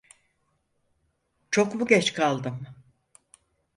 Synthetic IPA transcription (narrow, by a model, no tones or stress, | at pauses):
t͡ʃʰo̞kbuɟʲɛt͡ʃkʰalˠd̪ɯm